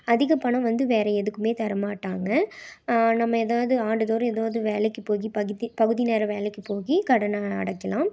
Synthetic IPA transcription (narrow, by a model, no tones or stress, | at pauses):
ɐðɪɣɐpɐɳɐ̃ʋɐnd̪ɯʋeːɾɐɛðɯkːɯmeːt̪ɐɾɐmaːʈːaːŋɡɐ | nɐmːɐɛðaːʋɐðɯaːɳɖɯðoːɾɛðaːʋðɯʋeːlɛkːɯpoːɣipɐipɐɣɯðineːɾɐʋeːlɛkːɯpoːɣikɐɽɐnɐɐ̰ɽɐkːɐlãːm